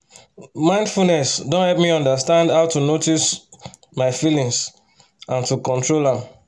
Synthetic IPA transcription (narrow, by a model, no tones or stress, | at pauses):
mãɪ̃ndfulnɛsdõnhɛlpmiɔ̃ndastãndhaʊtunotis | maɪfilĩŋs | ʔãntukɔ̃ntɹolãm